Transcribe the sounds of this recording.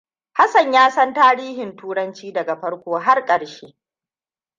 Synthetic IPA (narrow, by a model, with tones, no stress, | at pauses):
ha˦sɐ˨ɲjaː˦sɐ˦ntaː˦ɾiː˦hɪ˨ntuː˦ɾɐ˦nt͡ʃiː˦dɐ˨ɡa˨ɸɐ˦ɽkʷoː˦ɦa˦rkʼɐ˨ɽʃeː˦